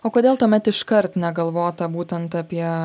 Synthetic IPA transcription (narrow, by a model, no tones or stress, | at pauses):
oːkoːd̪ʲeːlˠt̪uɔmʲɛt̪ɪʃkɐɾt̪nʲɛɡɐlˠʋoːt̪ɐbuːt̪ʲɛnt̪ɐpʲiɛ